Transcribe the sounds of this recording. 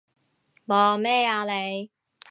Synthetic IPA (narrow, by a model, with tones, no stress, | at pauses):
mɔː˨mɛː˥˨aː˧le˨˧j